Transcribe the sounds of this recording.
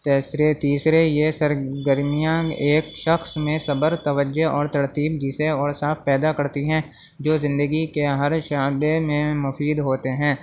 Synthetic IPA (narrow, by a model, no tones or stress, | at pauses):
t̪eːsɾet̪iːsɾejesɐɾɡəɾmijãeːkʃɐxsmẽsɐbəɾt̪ɐʋəd͡ʒeʔɔːɾt̪ɐɾt̪iːb̚d͡ʒiseɔːɾsaːfpɛːd̪akɐɾt̪iɦɛ̃ | d͡ʒoːzɪ̃nd̪əɡikeɦɐɾʃaːbemẽmʊfiːd̪ɦoːt̪eɦɛ̃ː